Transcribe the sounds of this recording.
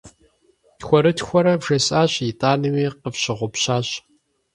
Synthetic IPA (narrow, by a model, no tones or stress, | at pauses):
txʷɔɾɨtxʷɔɾɐvʒɐsʼaːɕjɪtʼaːnɨwiːqəfɕɪʁʷʊpɕaːɕ